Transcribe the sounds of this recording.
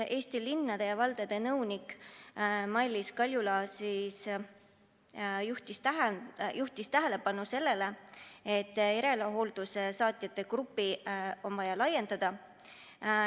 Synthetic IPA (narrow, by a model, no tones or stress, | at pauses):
ʔe̞ːst̪ilinːɑd̪̥e̞jɑvɑld̪ed̪̥e̞nɤwnikˑ | mɑlʲːiskɑlʲjulɑsiːs | juht̪ist̪æɦjuht̪ist̪æɦe̞le̞pɑnuse̞lːe̞le̞e̞t̪ːˑeɾe̞lɑɦo̞ːld̪̥usesɑːt̪ˑjɑt̪ːˑe̞krupːˑio̞nvɑjɑlɑjːe̞nd̪̥ɑd̪̥ɑ